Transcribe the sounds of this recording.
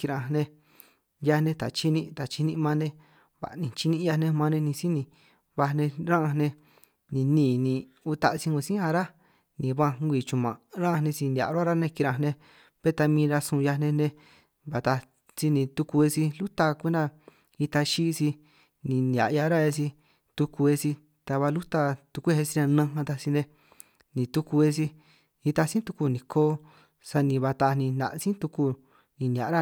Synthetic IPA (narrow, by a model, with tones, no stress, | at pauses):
ki˧ɾã˧nẽ˧ | ja˧nẽ˧t̪a̰˨t͡ʃi˦nĩ˦˧t̪a˨t͡ʃi˧nĩ˧mã˧nẽ˧˦ | βa̰˨nĩ˨˧t͡ʃi˦nĩ˧˦˧ja˧nẽ˧mã˧nẽ˧nĩ˧si˦nĩ˧ | βa˧nẽ˧ɾã˦˧nẽ˧ | nĩ˧nĩː˦˨nĩ˧ | u˧t̪a˧ʔsi˧ŋõ˧sĩ˦ã˧ɾa˦ | nĩ˨βã˧ŋɡʷi˧˨t͡ʃũ˧˨mã̰˨ɾã˦˧nẽ˧si˧ndʲa̰˨˧ɾa˦ɾa˦nẽ˧ki˧ɾã˧nẽ˧ | βe˦t̪a˧mĩː˧ɾa˧sũ˧ja˧nẽ˧nẽ˧ | βa˨˧t̪a˧ | si˧nĩ˧t̪u˧ku˧e˧si˧lu˦t̪a˧kʷe˦na˦˧ | i˧t̪a˧ʃi˦˧si˧ | nĩ˨˧n˨a̰˨ʔja˧ɾa˦e˧si˧ | t̪u˧ku˧e˧si˧ | t̪a˧βa˧lu˦t̪a˧t̪u˧ku˦e˦˧e˧si˧ɾã˧nã˧ã˧t̪a˧si˧nẽ˧ | nĩ˧t̪u˧ku˧e˧si˧ | i˧t̪a˧sĩ˦t̪u˧ku˧nĩ˨kʰoː˦ | sa˧nĩ˧βa˧t̪a˧nĩ˧nã̰˨ʔsĩ˦t̪u˧ku˧ | nĩ˧ni˨a̰˨˦ɾa˦